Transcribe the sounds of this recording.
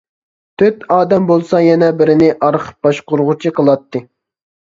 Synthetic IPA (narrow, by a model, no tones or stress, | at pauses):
t̪ʰøt̪ɑːd̪ɛmbolˠsɑjɛnɛbɪɾɪnɪʔɑɾχʰə̥p̚b̥ɑʃqʊɾʁʊt͡ʃʰiqʰəlˠɑt̪ːɨ